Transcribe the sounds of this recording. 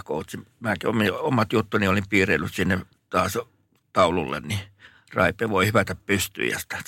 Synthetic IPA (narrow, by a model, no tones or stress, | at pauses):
koˑut̪simækiomiomɑt̪jut̪ːuniolimpiːrelːyssinːe | t̪ɑːs | t̪ɑˑulṵlːḛnni | rɑ̰ipˑeːʋoihypæt̪æppyst̪y̰ːjɑ̰si̥t̪æ̥